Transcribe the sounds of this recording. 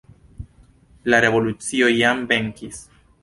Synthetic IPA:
laɾe̞vo̞lut͡sio̞jambe̞ŋkis

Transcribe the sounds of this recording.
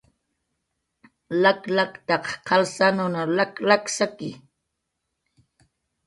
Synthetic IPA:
laklakt̪ɑqqɑlsanʊnalaklaksakɪ

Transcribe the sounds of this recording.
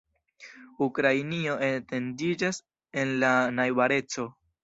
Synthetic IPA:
ukɾajnio̞ʔete̞ndid͡ʒas | e̞nlanajbaɾe̞t͡so̞

